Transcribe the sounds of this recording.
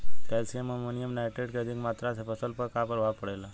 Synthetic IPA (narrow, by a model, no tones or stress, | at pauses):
pelsieməmonijəmnajʈeɖkeəd̪ʱĩŋɡmat̪ɾat̪ʰepʰəsəlpəkapəɾʋapəɽela